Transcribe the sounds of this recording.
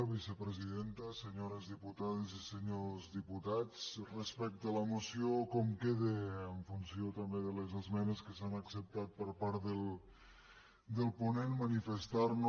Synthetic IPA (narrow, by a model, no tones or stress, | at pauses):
βisəpɾəziðent̪əseɲoɾəzðiput̪aðeziseɲozðiput̪at͡srəspɛk̚t̪ələmusiokɔmkeðeːɱfunsiot̪ambeðəlezəzmɛnəskəsanaksəp̚t̪at̪̚pəɾpaɾt̪ðəlˠ | d̪əlˠpunenmənifəst̪aɾn